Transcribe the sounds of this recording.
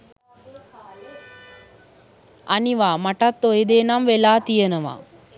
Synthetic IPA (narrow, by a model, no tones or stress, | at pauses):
aniʋaːmaʈat̪ːojed̪eːnamʋelaːt̪ijənəʋa̰ː